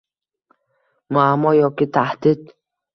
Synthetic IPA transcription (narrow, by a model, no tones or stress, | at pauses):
muamɔjɔkit̪ʰahd̪id̪̚